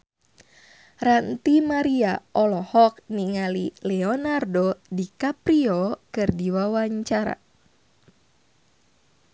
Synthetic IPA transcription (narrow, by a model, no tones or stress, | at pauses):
rant̪imaɾiaʔɔlɔhɔk̚niŋalilɛɔnardodikapɾiɔkɨrdiwawaɲt͡ʃaɾa̰